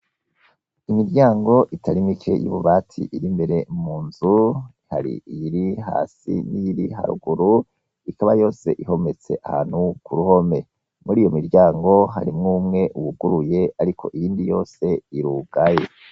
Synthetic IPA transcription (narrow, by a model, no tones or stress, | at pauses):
imiɾɟaːŋɡo̞ʔitʰaɾimikʰe̞̰jṵβuβaːtʰḭʔiɾimbe̞ɾe̞muːnzuihaɾḭjiɾiɦa̰ːsḭnijiɾiha̰ɾṵɡuɾu | ikaβajo̞ːse̞̰ʔiho̞me̞t͡se̞̰ʔahaːn̥hukuɾuho̞me̞ | muɾiːjo̞miɾɟaːŋɡo̞ɦa̰ɾimŋuːmŋe̞ʔuβuɡuɾuje̞aɾikʰo̞̰ʔijiːndijo̞ːse̞iɾuɡajḛ